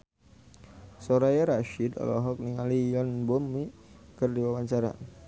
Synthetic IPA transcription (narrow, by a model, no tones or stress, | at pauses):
sɔɾajaɾaʃidɔ̰lɔɦɔk̚niŋalijɔnbɔmːikərdiwawaɲt͡ʃaɾa̰